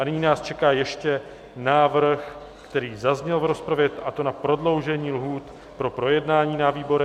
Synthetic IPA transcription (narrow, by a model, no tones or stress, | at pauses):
ʔanɪɲiːnaːst͡ʃɛkaːjɛʃcɛ | naːvr̩x | kt̪ɛɾiːzazɲɛlvɾo̞spɾavjɛt̪ʔat̪o̞napɾo̞dlo̞wʒɛɲiːlɦuːt̪ | pɾo̞pɾo̞jɛdnaːɲiːnaviːbo̞ɾɛ